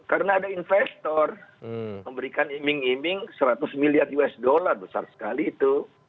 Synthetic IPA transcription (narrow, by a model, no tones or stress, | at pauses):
kaɾənaːdainfɛst̪ɔrməmbəɾikanimɪŋimɪŋsəɾat̪ʊsmiliarjuɛsdolarbəsa̰rsə̥kaliːt̪u